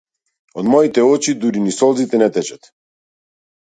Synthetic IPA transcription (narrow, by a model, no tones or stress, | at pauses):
ɔd̪mɔit̪ɛɔt͡ʃid̪uɾinisɔlˠzit̪ɛnɛt̪ɛt͡ʃat̪